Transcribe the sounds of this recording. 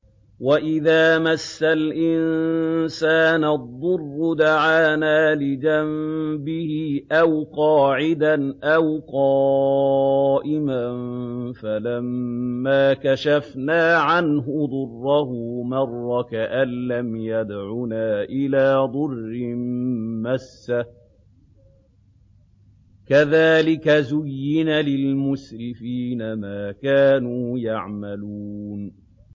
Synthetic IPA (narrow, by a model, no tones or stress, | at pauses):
waʔɪðaːmasːalʔɪnsaːnad̪ˤːʊrːʊd̪aʕaːnaːlɪd͡ʒambɪhɪʔawqɑːʕɪd̪anʔawqɑː | ʔɪmanfalamːaːkaʃafnaːʕanɦʊd̪ˤʊrːɑhʊmɑrˤːɑkaʔalːamjad̪ʕunaːʔɪlaːd̪ˤʊrːɪmmasːa | kaðaːlɪkazʊjːɪnalɪlmʊsɾɪfiːnamaːkaːnuːjaʕmaluːn